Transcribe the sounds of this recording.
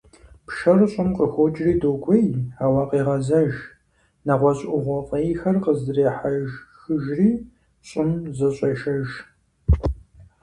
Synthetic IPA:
pʃɐrɕʼɪmqʼəxʷod͡ʒriːdoːɡʷʼejawɑːqeːʁɐzɐʒ | nɐʁʷɔɕʼʔʷʼʊʁʷɔqʼejxɐrqəzreːħaʒxɨʒriː | ɕʼɪmzɐɕʼɐʃɐʒ

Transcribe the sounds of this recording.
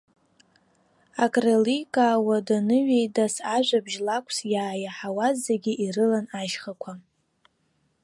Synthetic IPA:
akʼrelikʼaːwadanɨɥejdasaʒʷabʒlakʷʰsjaːjaħawazːaɡʲiʔirɨlanaʃχakʷʰa

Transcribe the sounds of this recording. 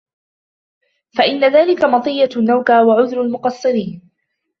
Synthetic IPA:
faʔɪnːaðaːlɪkamɑt̪ˤɨjːanːawkaːwaʕʊðɾʊlmʊqɑsˤːɨɾiːn

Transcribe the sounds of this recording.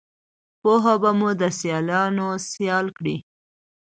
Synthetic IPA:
poɦabamud̪əsjɑlɑnosjɑlkɽi

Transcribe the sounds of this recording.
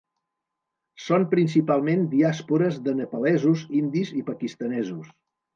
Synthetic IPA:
sompɾinsipalˠmend̪iaspuɾəzðənəpulɛzuzind̪izipəkist̪ənɛzus

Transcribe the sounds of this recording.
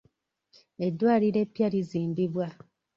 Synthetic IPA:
e̞dːwaːliɾe̞pːjaliziːmbiβwa

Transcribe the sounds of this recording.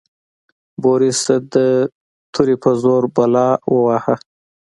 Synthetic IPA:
boɾisəd̪ə | t̪ʰuɾipʰəzoɾbalɑwəwaha

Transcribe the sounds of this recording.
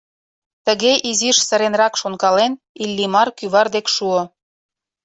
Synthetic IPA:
t̪əɣeʔiziʃsəɾenrɑkʃonkɑlen | ilʲːimɑrkyβɑrd̪ekʃuo

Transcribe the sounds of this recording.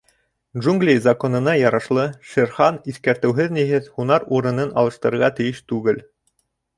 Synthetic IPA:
dʒuŋɡlʲijzɐko̞nɤ̆nɑjɑɾɑʃlˠɤʃɘ̆ɾχɑniθkæɾt̪ɘ̆wɦɘðniɦɘðhunɑɾuɾɤ̆nɤnɑ̰lˠɤ̆ʃt̪ɤ̆ɾɤ̆ɾʁɑt̪ɘ̆jɘʃt̪ʉɡɘl

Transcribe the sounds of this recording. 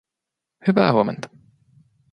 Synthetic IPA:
hyʋæ̰ːhuoment̪ɑ̥

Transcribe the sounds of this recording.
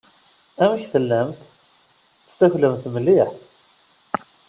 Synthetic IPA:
æmæçθəlːæmθ | θə̥sːæçləmθməlːiħ

